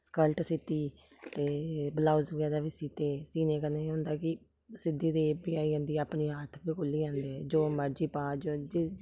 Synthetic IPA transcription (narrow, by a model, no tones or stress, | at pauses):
skəlʈsɪt̪iː | t̪eːbəlaːuzɡɛːd̪aːʋiːsiːt̪eːsiːneːkənẽːɦʊ̃nd̪aːkɪ | sɪd̪iːd̪eːbiːaːiːə̃ːnd̪iːaːpniːɦaːt̪ʰbiːkʊliːãːnd̪ed͡ʒoːməɾd͡ʒiːpãːd͡ʒoːd͡ʒɪ